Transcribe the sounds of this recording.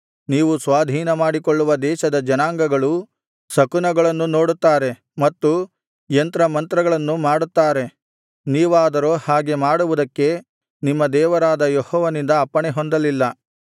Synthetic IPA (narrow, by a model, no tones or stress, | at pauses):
niːʋusʋaːd̪ʱiːnɐmaːɽikoɭːuʋɐd̪ɛːʃɐd̪ɐd͡ʒɐnaːŋɡɐɡɐɭu | sɐkunɐɡɐɭɐnːuno̞ːɽut̪ːaːɾe̞ | mɐt̪ːu | jent̪ɾɐmɐnt̪ɾɐɡɐɭɐnːumaːɽut̪ːaːɾe̞ | niːʋaːd̪ɐɾoːhaːɡe̞maːɽuʋud̪ɐkːe̞ | nimːɐd̪ɛːʋɐɾaːd̪ɐjehɔːʋɐnind̪ɐːpːɐɳeɦond̪ɐlilːɐ